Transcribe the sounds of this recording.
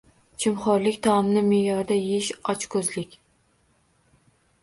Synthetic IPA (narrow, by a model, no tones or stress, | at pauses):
t͡ʃʰɪmχɒɾlɪkʲt̪ʰɒmnɪmejɒɾd̪ajeʃɒt͡ʃkʰɵzlɪkʲ